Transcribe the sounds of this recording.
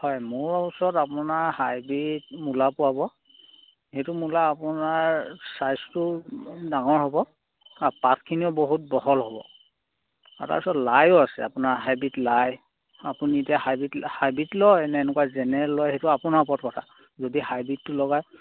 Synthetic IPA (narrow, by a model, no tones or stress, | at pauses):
hɔjmʊɹusɔtapʊnaɹhajbit̚mulapʊwabɔ | hetʊmulaːpʊnaɹsajstʊdaŋɔɹɦobɔ | apat̚ʰkʰːiniɔboɦut̚bɔɦɔlɦɔbɔ̰ | a̰ta̰pusɔtlajʊasɛ̰a̰pʊnaɹɦajbitlaj | apunitiaɦajbithajbitlɔjnɛnɛkuazɛnɛlɔjhetʊapʊnaɹpɔt̚kɔtʰa | zodihajbitːʊlɔɡaj